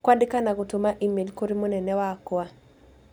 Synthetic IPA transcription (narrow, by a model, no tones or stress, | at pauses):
kwadɪkanaɡotomaʔimelkoɾimonɛnɛwakwa